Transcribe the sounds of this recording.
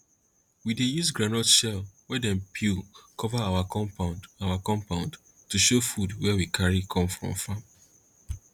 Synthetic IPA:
widejuzɡɹãnɔtʃɛlwɛdɛ̃npʰukʰɔvaawakɔ̃paawakɔ̃mpãʊ̃nd | tuʃofudwɛwikʰaɹikʰɔ̃mfɹɔ̰̃mfãm

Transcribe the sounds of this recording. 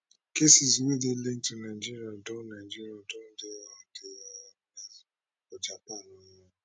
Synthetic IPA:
kesiziwedelen̩tũnaid͡ʒiɾiadɔ̃nãid͡ʒiɾiadɔ̃dewade | ɔd͡ʒak͡pɔ̃nɔ̃nɔ̃

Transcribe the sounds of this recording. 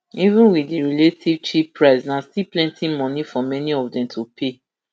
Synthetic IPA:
ivũnwidiɹiletʰivt͡ʃipɹaɪsnastiplɛ̃ntĩmɔ̃nifɔmɛniɔfdɛ̃mtʰupʰe

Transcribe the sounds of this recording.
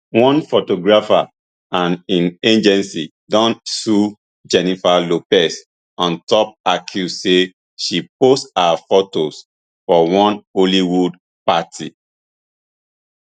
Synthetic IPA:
wɔ̃nfotoɡɹafa | ãnĩnẽd͡ʒɛ̃nsi | dɔ̃nsu | d͡ʒɛnifalopɛs | ɔ̃ntɔp̚akʰjuse | ʃipostaafotos | fɔwɔ̃noliwud | patʰi

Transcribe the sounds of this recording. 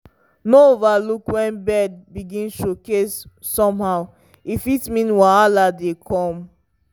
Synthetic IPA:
noovalukwɛ̃nbɛd̚biɡĩnʃokesː | ɔ̃mhaʊ | ifitmĩnwaaladekʰɔ̃m

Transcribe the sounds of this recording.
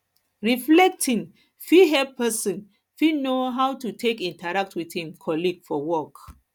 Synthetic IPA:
ɹiflɛk̚tʰĩŋ | fiɦɛppʰɛsɔ̃n | finoɦawtutʰekĩntaɹak̚tʰwiθhĩmkʰɔliɡ̥fɔwɔk

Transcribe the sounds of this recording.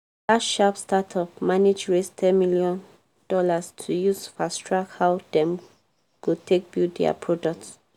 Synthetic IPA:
datʃapstatʰɔpmaned͡ʒɹestʰɛ̃nmiljɔ̃n | d̥ɔlastʰujusfastɹakhawdɛ̃m | kutʰek̚bjudɛ̰a̰pʰɹɔdɔk̚ts

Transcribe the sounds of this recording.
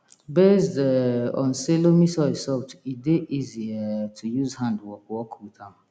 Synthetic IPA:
besdɛɔ̰̃nselomĩsɔɪsɔtideʔiziatʰujuzhãndwɔkʊɔkʰutʰãm

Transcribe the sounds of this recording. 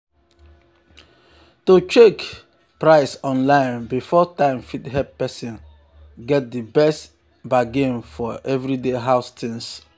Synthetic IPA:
tot͡ʃek | pɹaɪsɔ̃nlãɪ̃nbifɔtãɪ̃mfitɦɛppɛsĩn | ɡɛt̚dibɛst | baɡẽnfɔʔɛvɹideɦaʊstʰĩns

